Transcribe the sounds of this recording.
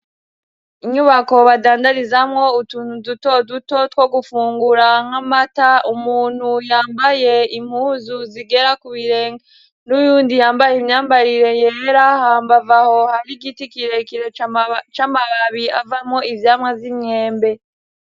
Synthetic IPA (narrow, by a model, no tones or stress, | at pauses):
iɲuβako̞βadaːndaɾizamŋo̞utuduto̞duto̞tkwo̞ɡufuːŋɡuɾaŋ̥hamataumuːn̥hujaːmbaje̞im̥huːzuziɡe̞ɾakuβiɾeːŋa | nujuːndijaːmbajimɲaːmbaɾiɾe̞jeɾahaːmbavaho̞haɾiɡitikiɾe̞kiɾet͡ʃamaβaβiavamŋo̞ivjaːmŋavimɲe̞ːmbe̞